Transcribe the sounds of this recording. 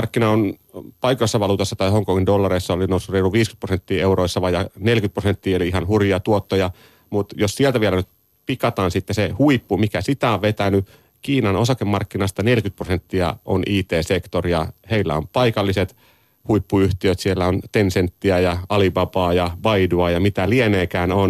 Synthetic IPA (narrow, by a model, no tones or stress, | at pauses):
ɑrkːinɑonpɑikosːɑʋɑluːt̪osːɑt̪ɑjhoŋkoŋindolːɑreisːɑolinousːureiluʋʋiːsky̥t̪prosent̪ːiːeuroisːɑʋɑjɑnelkyt̪̚prosent̪ːiːoliihɑnhurjiɑt̪uot̪ːojɑ | mut̪jossielt̪æʋielænyt̪ | pikɑt̪ɑːnsit̪ːesehuipːumikæsit̪æoʋʋet̪æny | kiːnɑnosɑkemːɑrkːinɑst̪ɑnelkyt̪̚prosent̪ːiɑ̰ʔo̰nʔiːt̪eːsekt̪orjɑheilːæ̰ompɑikɑlːiset̪ | huipːuyht̪iøt̪sielːæont̪ensent̪ːiæjɑɑlipɑpɑːjɑʋɑiduɑjɑmit̪ælieneːkæːnon